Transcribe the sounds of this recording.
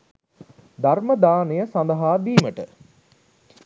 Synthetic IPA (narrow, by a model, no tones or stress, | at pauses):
d̪aɾməd̪aːnejəsand̪ɐɦaːd̪iːməʈə